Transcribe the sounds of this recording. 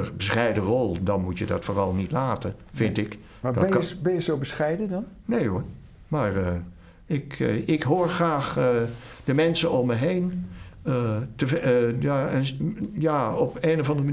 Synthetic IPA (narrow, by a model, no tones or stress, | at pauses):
əbəsχɛjdərɔlˠdɑnmutjədɑ̰tfoːrɑlˠnitlaːtəfɪntɪk | dbɛjəsowbəsχɛjdəndɑnnejo | maːrə | ɪkɪkɦoːɹxraːχ | d̥əmɛnsəɔməɦejn | təjaənjaːɔpeːnəvɑndəmə